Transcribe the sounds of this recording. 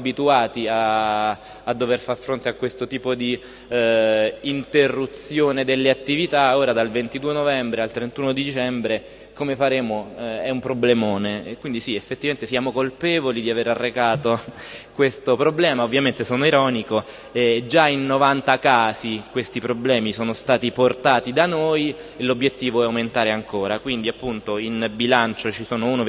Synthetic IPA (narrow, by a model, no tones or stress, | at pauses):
abit̪uaːt̪iaː | d̪ːoverfarfɾont̪eakːwest̪ot̪iːpod̪i | nt̪erːut̪sjoːned̪elːeat̪ːivit̪aoːɾad̪alvent̪id̪uːenovɛmbɾealt̪ɾent̪uːnod̪id̪it͡ʃɛmbɾe | komefaɾeːmoɛumpɾoblemoːnekwind̪isiefːet̪ːivament̪esjaːmokolpɛːvolid̪iaveɾarːekaːt̪okwest̪opɾoblɛːmaovːjament̪esoːnoiɾɔːniko | ɛd͡ʒainːovant̪akaːzikwest̪ipɾoblɛːmisoːnost̪aːt̪iport̪aːt̪id̪anoj | lobːjet̪ːiːvoɛawment̪aːɾeaŋkoːɾakwind̪iapːunt̪oinbilant͡ʃot͡ʃisoːnouno